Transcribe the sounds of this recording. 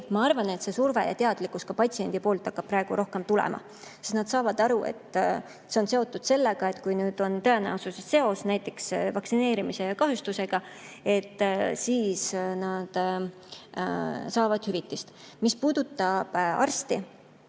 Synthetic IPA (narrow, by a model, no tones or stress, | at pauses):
mɑɑrvɑne̞t̪se̞surve̞̰jɑ̰t̪eɑd̪̥likːuskɑpɑtʲsie̞nd̪ipo̞ːlt̪ːˑɑkːɑb̥̚pːrɑe̞ɡ̥uɾo̞hke̞mt̪ulḛmʔɑ̰ | sest̪nɑd̪̥sɑːvɑd̪ɑɾue̞̰t̪ː | se̞o̞nse̞o̞t̪ːˑud̪̥se̞lːeɡ̥ɑe̞t̪kujnyːd̪̥o̞nt̪ɤe̞næ̰ususesse̞o̞snæjt̪ːˑe̞ksvɑksine̞ːɾimise̞jɑkɑɦjust̪use̞ɡ̥ɑ | e̞t̪ːsiːsnɑd̪̥ | sɑːvɑd̪̥hyvit̪ːˑist̪mispuːd̪̥ut̪ˑːɑb̥ɑ̰rst̪i